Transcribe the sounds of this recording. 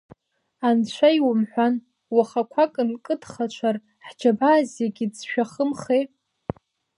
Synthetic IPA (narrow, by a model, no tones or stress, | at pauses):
ant͡ɕʷʰajwʊmħʷan | waχakʷʰakʼɨnkʼɨdχat͡ʃʷʰar | ħd͡ʒabaːzjaɡʲizʃᶣaχəmχe